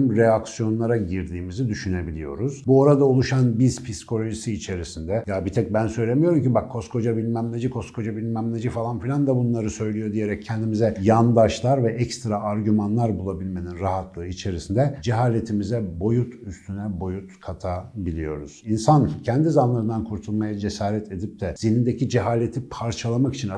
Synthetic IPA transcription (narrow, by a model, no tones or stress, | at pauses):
mɾeaksijo̞nlˠaɾaɟiɾd̪iːmizid̪yʃyne̞bilʲijo̞̰ɾuz̥buo̞ɾad̪aulˠuʃanbiz̥pʰiskʰo̞lʲo̞ʒisiːt͡ʃʰe̞ɾisind̪ɛjabit̪ʰɛc̚bænsøjlʲemijo̞ɾumcibakʰːo̞skʰo̞d͡ʒabilʲmæmlʲed͡ʒikʰo̞skʰo̞d͡ʒabilʲmæmlʲed͡ʒifalˠanfilʲand̪abunlˠaɾɯsø̞jlʲijo̞d̪ije̞ɾɛcʰːɛnd̪imizɛjand̪aʃlˠaɾvɛʔɛcst̪ɾaaɾɟymanlˠaɾbulˠabilʲme̞ninɾaɦat̪lˠɯɯit͡ʃʰe̞ɾisind̪ɛd͡ʒɛɦaːlʲe̞t̪ʰimizɛbo̞jut̪ʰyst̪ʰynɛbo̞jut̪kʰat̪ʰabilʲijo̞ɾuz̥insancʰɛnd̪izanlˠaɾɯnd̪ankʰuɾt̪ʰulˠmajad͡ʒe̞saːɾɛt̪ʰe̞d̪ip̚t̪ʰɛz̥inind̪ecid͡ʒɛɦaːlʲe̞t̪ʰipʰaɾt͡ʃʰalˠamaki̥t͡ʃʰina